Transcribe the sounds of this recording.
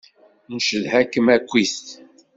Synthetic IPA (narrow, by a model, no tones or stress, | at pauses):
nʃəðhækːəmækʷːist̪